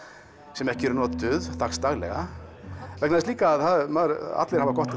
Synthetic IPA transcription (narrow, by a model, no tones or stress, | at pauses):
sɛmɛhcɪɛɾʏnɔːt̪t̪ʏðθakst̪aɣlɛ̰ɣa | vɛknaðɪst̪iːkaːðθaðmaðɾa̰t̪lɛɾhavakɔht̪ɪ